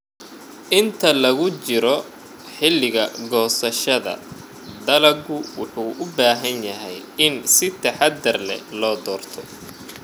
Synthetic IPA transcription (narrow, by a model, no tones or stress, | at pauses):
ʔɪnt̪ʰɐlɐɣʊt͡ʃɪɾɔ | ħɪlːɪɣɐɡɔːsɐʃɐðɐ̰ | d̪ɐlɐɡʊwʊħuːʔʊbaːɦɐnjɐɦɛjɪnsɪt̪ʰɐħɑd̪ɐrlɛ̰lɔːd̪ɔːrt̪ʰɔ